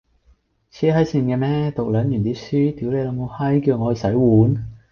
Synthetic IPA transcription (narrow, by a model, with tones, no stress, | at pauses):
t͡ɕʰɛː˥ɦɐ˨˥jsiː˧nkɛː˧mɛː˥t̪o˨k̚lœː˨˥njyː˨˩nt̪iː˦˥syː˥t̪iː˨˥wle˨˧jlɐ˨˧˥mo˨˧whɐ˥jkiː˧wŋɔ˨˧˨sɐ˨˥jwuː˨˥n